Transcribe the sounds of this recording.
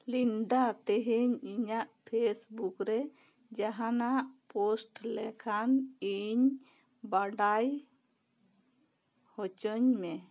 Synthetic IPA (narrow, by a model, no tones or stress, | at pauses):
linɖat̪ɛɦiɲiɲaʔpʰesbukɾɛ | d͡ʒaɦanaʔpɔsʈlɛkʰaniɲ | baɖaj | hɔt͡ʃəɲmɛ